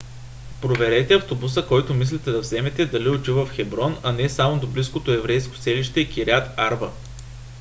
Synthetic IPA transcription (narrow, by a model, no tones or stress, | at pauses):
pɾovɛɾɛt̪ɛɐft̪obus̬əkɔjt̪omislit̪ɛd̪ɐvzɛmɛt̪ɛd̪ɐliot͡ʃ̪ivəfxɛbɾɔnɐnɛsamod̪obliskot̪oɛvɾɛjsko̥sɛliʃt̪ɛkiɾʲat̪aɾvə